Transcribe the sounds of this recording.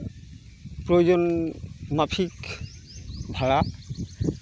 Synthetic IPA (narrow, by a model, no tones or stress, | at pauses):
pɾojod͡ʑonmapʰik | bʱaɭa